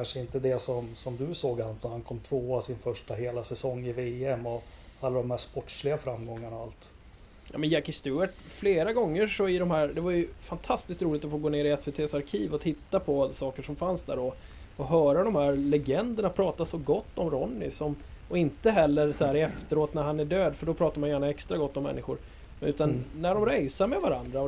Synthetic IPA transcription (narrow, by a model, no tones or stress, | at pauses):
kʰanʂəɪnt̪əd̪ɛsɔmsɔmd̪ɵsoːɡhant̪ɛhankʰɔmːt̪ʰvoːasɪnfœʂʈaɦeːlasɛsɔŋːɪveːɛmɔalːad̪ɔmhɛspɔʈʂlɪɡafɾamːɡɔŋːaɳaalt̪ | jɑ̰ːmɛnjækːɪst̪ʉːəʈfleːɾaɡɔŋːəʂɔɪd̪ɔmhæːɾd̪ɛvajɵfant̪ʰast̪ɪskt̪ɾuːlɪt̪ɔfoːɡoːneːɾɪɛsveːt̪ʰeːsaɾkʰiːvɔt̪ʰɪt̪ːapʰɔsɑːkəʂɔmfansd̪æ̰ːɾɖɔ | ɔɦœːɾad̪ɔmhæːɾlɛɡɛnd̪əɳapʰɾɑːt̪asɔɡɔt̪ːɔmɾɔnːɪsɔm | ɔɪnt̪əɦɛlːəɾsɔhæːɾɛft̪əɾoːt̪næɾhanæɖøːd̪fœɖɔpʰɾɑːt̪aɾmanjʏjæːɳaɛkst̪ɾaɡɔt̪ːɔmːɛ̰nːɪɧʊɾ | ʉ̟ːt̪anːæɖɔmɾɛjsamɛvaɾand̪ɾa